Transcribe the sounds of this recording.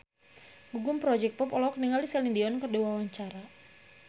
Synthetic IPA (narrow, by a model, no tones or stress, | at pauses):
ɡuɡʊmpɾɔd͡ʒɛk̚pɔpɔlɔɔk̚niŋalisalindiɔnkərdewawaɲt͡ʃaɾa